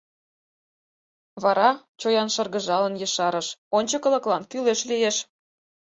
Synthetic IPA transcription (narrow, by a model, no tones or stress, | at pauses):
βɑɾɑ | t͡ɕojɑnʃɤ̆rɣə̆ʒɑlə̆njɤʃɑɾə̆ʃonʲt͡ɕə̆kɤ̆lɤ̆klɑnkyleʃlijeʃ